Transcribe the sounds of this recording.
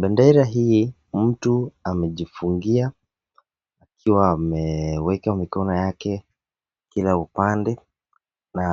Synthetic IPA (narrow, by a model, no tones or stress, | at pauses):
ɓɛndɛɾaɦiː | m̩tuamɛʄifuŋɡia | akʰiwaːmɛwɛkamikɔnɔjakɛ | kilaupandɛ | na